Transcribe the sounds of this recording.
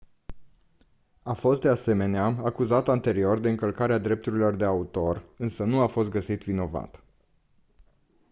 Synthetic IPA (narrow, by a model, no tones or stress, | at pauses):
afo̞st̪̚d̪ease̞me̞neaakuzat̪ant̪e̞ɾio̞rd̪e̞ɨŋkəlkaɾead̪ɾe̞p̚t̪uɾilo̞rd̪e̞aut̪o̞rɨnsənuafo̞s̬t̪̚ɡəsit̪vino̞va̰t̪